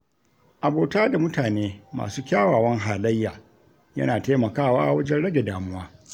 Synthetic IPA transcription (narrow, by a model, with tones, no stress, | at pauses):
ʔa˨boː˨taː˦da˨mʊ˦taː˨neː˦ma̰ː˨suː˦kʲaː˦waː˨wɐ˦ŋɦaː˨lɐ˦jːaː˨ | jɐ̰˦naː˨taː˦mɐ˨kaː˦˨wa̰ː˦ʔa˨wɐ˦d͡ʒɛ˦nɽɐ˦ɡʲe˨daː˨mʊ˦waː˦